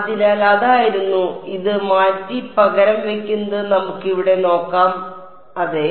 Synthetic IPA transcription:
d̪ilaːlɐðaːjiɾunːuiðɨmaːtːipɐɣɐɾɐmʋe̞kʲːunːɐðɨnɐmukːiʋiɽe̞no̞ːkːaːm | ɐðe

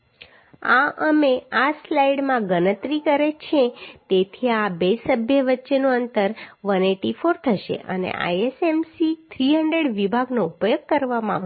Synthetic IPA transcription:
aəmeaslaiɽmãɡənət̪ɾikəɾet͡ʃʰẽt̪et̪ʰiabesəbʱjəʋətːʃenoənt̪əɾʋəneʈifoɾt̪ʰəʃḛʔə̰nḛʔa̰jesemsit̪ʰɾiɦəɳɖɾeɽʋibʱaɡnoupjoɡ̚kəɾʋamãʋ

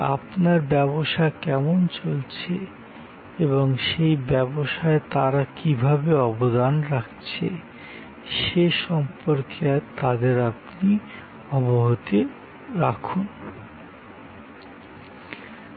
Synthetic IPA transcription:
a̰pnaɾbɛboʃakɛmont͡ɕolt͡ɕʰe | eβoŋʃejbɛboʃaet̪aɾakibʱabeɔbod̪anɾakʰt͡ɕʰḛ | ʃeʃɔmpoɾkʰet̪ad̪eɾapni | ɔboɦot̪e | ɾakʰun

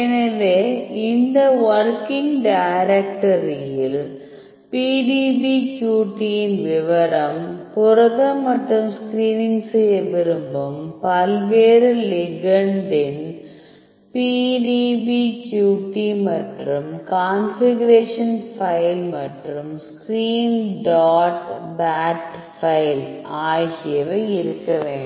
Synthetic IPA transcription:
inɐðeind̪ɐʋɐrkiŋɡɖaːɾek̚ʈɐrijil | piːɖibikjuːʈːijinʋiʋɐɾɐmpurɐðɐmɐʈrumskriːniŋɡsɨebiɾumbɐmpɐlʋeːɾɨliɡɐɳɖɪn | piːɖiʋit͡ʃjuːʈːimɐʈrɯmkaːnfɪɣɐɾeːʂɐnfɐɪlmɐʈrɯmskɾiːnɖaːʈbaːʈfɐɪlaːjɣɪjɐʋɐɪɪɾɯkːɐʋeːɳɖ

